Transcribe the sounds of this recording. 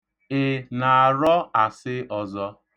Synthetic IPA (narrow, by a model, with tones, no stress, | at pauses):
ɪ˨na˨a˨ɾɔ˦a˨sɪ˦ʔɔ˨zɔ˦